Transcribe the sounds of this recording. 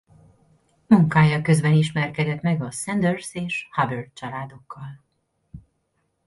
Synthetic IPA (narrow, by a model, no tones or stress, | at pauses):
muŋkaːjɒkø̞zbɛniʃmɛrkɛd̪ɛt̪mɛɡɒsɛnd̪ørseːʃhɒbørt̪̚t͡ʃɒlaːd̪o̞kːɒl